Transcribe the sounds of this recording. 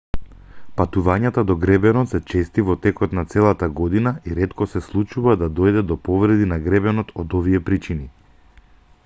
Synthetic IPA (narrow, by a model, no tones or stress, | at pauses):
pat̪uvaɲat̪ad̪ɔɡɾɛbɛnɔt̪sɛt͡ʃɛst̪ivɔt̪ɛkɔt̪nat̪sɛlˠat̪aɡɔd̪inaiɾɛt̪kɔsɛslˠut͡ʃuvad̪ad̪ɔjd̪ɛd̪ɔpɔvɾɛd̪inaɡɾɛbɛnɔt̪ʰɔd̪ɔvijɛpɾit͡ʃini